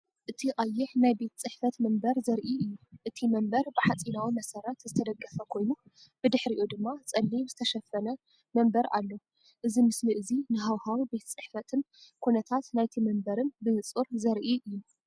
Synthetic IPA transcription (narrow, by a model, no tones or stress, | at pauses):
ʔɨt̪ʰiqʼɐjːɪħnajbe̞t̪ʰt͡sʼɨħfɐt̪mɐmbɐɾzɐɾʔiɨjːuʔɨt̪ʰimɐmbɐɾbɨħat͡sʼinawimɐsɐɾɐt̪zɨt̪ʰɐd̪ɐɡʼːɐfɐkʰo̞jnu | b̥ɨd̪ɨħɾiʔud̪ɨmːat͡sʼɐlːiβzɨt̪ʰɐʃɐfːɐnɐ | mɐmbɐɾa̰lːo | ʔɨzimɨsliʔɨzinɨɦawhawibe̞t̪ʰt͡sʼɨħfɐt̪ʰɨn | kʰunɐt̪ʰat̪najt̪ʰimɐmbɐɾɨnbɨhɨt͡sʼuɾzɐɾʔiʔɨjːu